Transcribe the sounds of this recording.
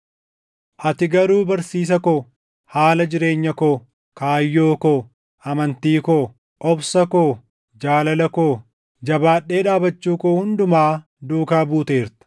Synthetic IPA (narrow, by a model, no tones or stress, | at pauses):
ʔɐt̪ɪɡɐɾuːbɐɾsiːs̬ɐkoː | haːlɐd͡ʒɪɾe̞ːɲːɐkoː | kaːjːoːkoː | ɐmɐnt̪iːkoː | ʔɔbsɐkoː | d͡ʒaːlɐlɐkoː | d͡ʒɐbaːᶑːe̞ːᶑaːbɐt͡ʃːuːkoːhʊnd̪ʊmaː | d̪uːkaːbuːt̪e̞ːɾt̪ɐ̥